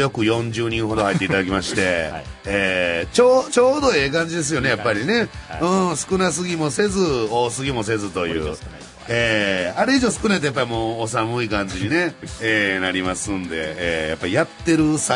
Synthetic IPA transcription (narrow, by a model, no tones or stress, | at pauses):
jo̞kɯ̟jõ̞ɲd͡ʑɨːɲ̟ĩɰ̃ɦo̞d̪o̞hait̪ːeit̪ad̪akʲimaɕi̥t̪e̞eːt͡ɕoːt͡ɕo̞ːd̪o̞e̞ːkãɲ̟d͡ʑid̪e̞s̬ɨjo̞ne̞japːaɾʲine̞ɯ̃ːsɨ̥kɯ̟nas̬ɨɡʲimo̞se̞zɨoːsɨɡʲimo̞se̞zɨt̪o̞jɯ̰ː | eːaɾeiʑo̞ːsɨ̥kɯnait̪ojapːaɾʲimoːsamɯ̟ikãɲ̟d͡ʑiɲ̟ine̞eːnaɾʲimasɨ̃nd̪e̞̰eːja̰pːaɾijat̪ːe̞ɾɯ̟sa